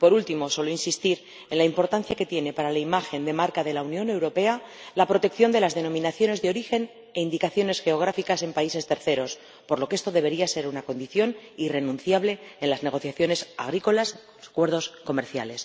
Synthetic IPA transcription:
po̞ɾult̪imo̞so̞lo̞insist̪iɾ | e̞nlaimpo̞ɾt̪anθjake̞t̪je̞ne̞paɾalaimaxe̞nd̪e̞maɾkaðe̞launjõ̞ne̞wɾo̞pe̞alapɾo̞t̪e̞kθjo̞nd̪e̞lazðe̞nõ̞mĩnaθjo̞ne̞zðeo̞ɾixe̞n | e̞ind̪ikaθjo̞ne̞sxe̞oɣ̞ɾafikase̞mpaise̞st̪e̞ɾθe̞ɾo̞s | po̞ɾlo̞kee̞st̪o̞ðe̞β̞e̞ɾiase̞ɾunako̞nd̪iθjo̞nire̞nũnθjaβle̞enlazne̞ɣ̞o̞θjaθjo̞ne̞sa̰ɣ̞ɾiko̞las | sakwe̞ɾðo̞sko̞me̞ɾθja̰le̞s

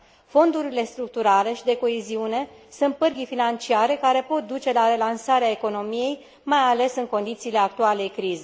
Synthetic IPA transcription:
fo̞nd̪uɾile̞st̪ɾuk̚t̪uɾale̞ʃid̪e̞ko̞eziune̞sunt̪̚pərɡʲifinant͡ʃiaɾe̞kaɾe̞po̞t̪̚d̪ut͡ʃe̞laɾe̞lansaɾeaeko̞no̞mije̞j | majale̞sɨŋko̞nd̪it̪siːle̞ak̚t̪uale̞jkɾize

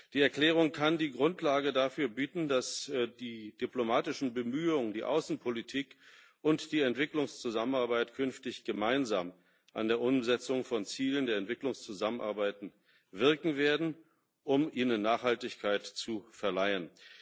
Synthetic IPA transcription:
d̥iːɛɐkl̥ɛːʁ̞ʊŋkʰandiːɡʁʊntʰlaːɡədafyːɐbiːtn̩dasdiːd̥iplomaːtɪʃn̩bəmyːʊŋdiːʔa̰ʊsn̩pʰolitʰiːk | ʔʊntd̥iːɛntv̥ɪklʊŋst͡suzamənaɐbaɪtkʰʏnftɪçɡ̥əmaɪnzaːm | ʔa̰ndeːɐʔʊmzɛt͡sʊŋfɔnt͡siːləndeːɐɛntv̥ɪklʊŋst͡suzamənʔa̰ɐbaɪtn̩ | vɪɐkŋ̩veːɐdn̩ | ʔʊmʔiːnənːaːχhaltɪçkʰaɪtt͡sufɛɐlaɪən

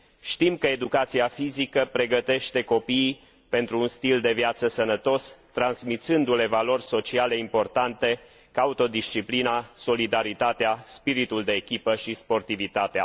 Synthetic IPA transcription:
ʃt̪imkəe̞d̪ukat̪siafizikəpɾe̞ɡət̪e̞ʃt̪e̞ko̞piː | pe̞nt̪ɾuːnst̪ild̪e̞vjat̪səsənət̪o̞st̪ɾansmit̪sɨnd̪ule̞valo̞rʲso̞t͡ʃiale̞impo̞rt̪ant̪e̞ | kaut̪od̪ist͡ʃiplinaso̞lid̪aɾit̪at̪easpiɾit̪uld̪e̞ːkʲipəʃispo̞rt̪ivit̪at̪ea̰

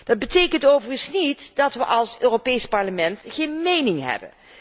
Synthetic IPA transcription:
d̥ɑd̚bətejkəntowvərənsnitdɑtʋəʔɑlˠsøːropejspɑɹləmɛntχejnmejnɪŋɦɛ̰bə̰n

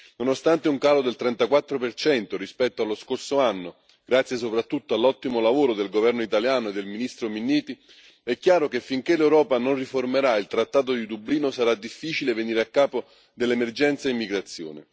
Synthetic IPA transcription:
nonost̪ant̪euŋkaːlod̪elt̪ɾɛnt̪akwat̪ːɾopert͡ʃɛnt̪oɾispɛt̪ːoalːoskorsoanːo | ɡ̥ɾat̪sjes̬opɾat̪ːut̪ːoalːɔt̪ːimolavoːɾod̪elɡovɛrnoit̪aljaːnoed̪ːelminist̪ɾominːiːt̪i | ɛkːjaːɾokefːiŋk̟elːewɾɔːpanonriformeɾailt̪ɾat̪ːaːt̪̬od̪id̪ubliːnosaɾad̪ːifːiːt͡ʃileveniːɾeakːaːpo | d̪elːemerd͡ʒɛnt̪saimːiɡɾat̪sːjo̰ːne

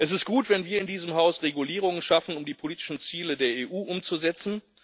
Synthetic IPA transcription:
ʔɛs̬ɪst̚ɡ̥uːtv̥ɛnviːɐɪndiːzəmɦaʊsʁeɡuliːʁ̞ʊŋənʃafn̩ʊmdiːpʰoliːtɪ̥ʃn̩t͡siːlədeːɐeːʔuːʔʊmt͡suzɛt͡sn̩

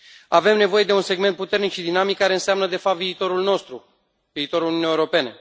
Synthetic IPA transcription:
ave̞mne̞vo̞je̞d̪e̞unse̞ɡme̞nt̪̚put̪e̞rnikʃid̪inamikːaɾe̞ɨnseamnəd̪e̞fap̚t̪viːt̪o̞ɾulno̞st̪ɾu | viːt̪o̞ɾulunʲunijeuɾo̞pe̞ne̞

